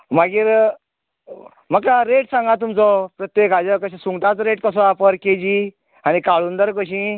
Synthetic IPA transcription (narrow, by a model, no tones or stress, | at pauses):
maɡiːɾ | məkkaɾeʈsãŋɡat̪umt͡sɔpɾət̪jekad͡ʑəkəɕãsuŋɡt̪at͡sɔɾeʈkəs̬ɔ̃apəɾked͡ʑi | anikaɭund̪əɾk̬əɕĩ